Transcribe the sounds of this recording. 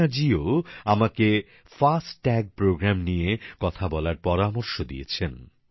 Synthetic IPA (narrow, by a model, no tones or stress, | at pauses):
ad͡ʑioamake | fasʈːɛɡ̚pɾoɡɾamnijekɔt̪ʰabɔlaɾpɔɾamoɾʃod̪ḭet͡ɕʰen